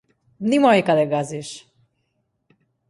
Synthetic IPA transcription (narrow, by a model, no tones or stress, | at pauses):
nimɔjkalɛɡaziʃ